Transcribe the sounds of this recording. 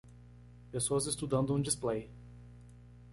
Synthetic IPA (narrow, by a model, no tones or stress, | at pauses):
pesoɐzɪst̪ud̪ɐ̃nd̪ʊũd͡ʒisplej